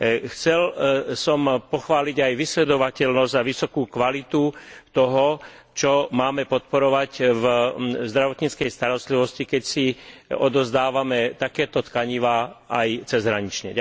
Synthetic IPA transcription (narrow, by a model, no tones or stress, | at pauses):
xt͡sɛlsɔmpɔxʋaːliɟajʋislɛd̪ɔʋacɛʎnɔzzaʋisɔkuːkʋalit̪ut̪ɔɦɔ | t͡ʃɔmaːmɛpɔt̪̚pɔɾɔʋacvzd̪ɾaʋɔt̪ɲit͡skɛjst̪aɾɔst̪liʋɔscikɛcsiɔd̪ɔzd̪aːʋamɛt̪akɛːt̪ɔt̪kaɲiʋaːajt͡sɛzɦɾaɲit͡ʃɲɛ